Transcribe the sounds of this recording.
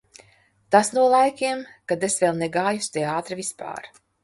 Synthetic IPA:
t̪asnuɔlˠajkʲiɛmkad̪esvelˠneɡaːjust̪eaːt̪ɾɨvispa̰ːɾ

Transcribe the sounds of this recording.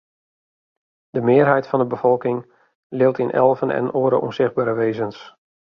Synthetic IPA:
d̥əmɪərɦɛjtfɑndəbəfɔlˠkɪŋ | lɪwtɪnʔɛ̰lˠvənʔɛ̰noːəɾə̰ʔṵnz̥ɪχd̚baːɾəʋeːzəns

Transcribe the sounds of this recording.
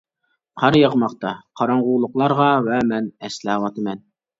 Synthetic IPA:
qʰɑɾjəʁmɑqt̪ɑqʰɑɾɑɴʁulˠʊqlˠɑɾʁɑvɛmɛnɛslæwɑt̪ɨmɛn

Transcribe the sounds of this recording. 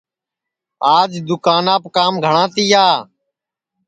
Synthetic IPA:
aːd͡ʒd̪ʊkaːnaːpkaːmɡʱəɳãːt̪iːaː

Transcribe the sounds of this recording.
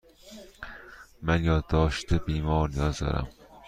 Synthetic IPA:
mænjɒːd̪ːɒːʃt̪ʰebiːmɒːɾnijɒːzd̪ɒ̰ɾæ̰m

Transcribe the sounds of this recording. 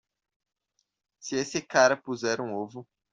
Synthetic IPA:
sɪesɪkaɾɐpuzɛɾũovʊ

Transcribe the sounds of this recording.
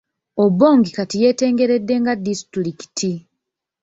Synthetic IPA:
obːo̞ːŋɡikatije̞ːte̞ːŋɡe̞ɾe̞dːe̞ŋɡadːistɾiki̥tʰi

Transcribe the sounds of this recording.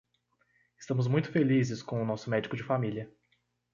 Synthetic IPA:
ɪ̥st̪ɐ̃mʊzmũj̃t̪ʊ̥felizɪskõw̃ʊnɔsʊmɛd͡ʒɪkʊd͡ʒɪfamiliɐ

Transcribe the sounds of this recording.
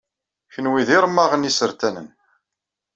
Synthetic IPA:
çənwiðiɾˤmːɑʁənisəɾt̪ænə̰n

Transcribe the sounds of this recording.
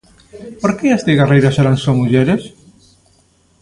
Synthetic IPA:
poɾkeest̪eɣarejɾaseɾansoŋuʎeɾes

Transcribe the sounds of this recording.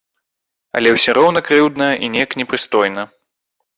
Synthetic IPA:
ɐ̰lʲɛwsʲɔɾɔwnɐkɾɨwd̪nɐjɐʔinʲɛjɐknʲɛpɾɨst̪ɔjnɐ

